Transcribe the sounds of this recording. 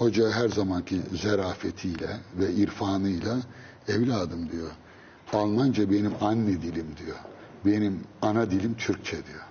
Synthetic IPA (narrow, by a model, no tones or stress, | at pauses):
ho̞d͡ʒaɦæɾzamancʰizɛɾaːfet̪ʰijlʲɛvɛiɾfaːnɯjlˠa | ɛvlʲaːd̪ɯmd̪ijo | alˠmand͡ʒabe̞nimanːid̪ilʲimd̪ijo | be̞nimanad̪ilʲimt̪ʰyɾc̚t͡ʃʰɛd̪ijo